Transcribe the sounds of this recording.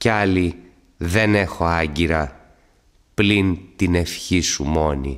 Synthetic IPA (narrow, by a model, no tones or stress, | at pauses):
ceɐli | ðe̞ne̞xo̞ɐɲɟiɾɐ | plint̪ine̞fçisumo̞nḭ